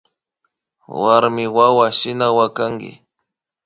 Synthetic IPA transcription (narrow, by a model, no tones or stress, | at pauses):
waɾmɪwawaʃɪnawakaŋɡɪ̰